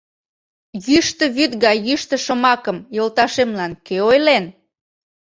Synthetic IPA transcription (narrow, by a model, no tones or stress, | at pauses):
jyʃt̪ə̆βyt̪ɣɑjyʃt̪ə̆ʃomɑkəmjolˠt̪ɑʃemlɑnkeojlen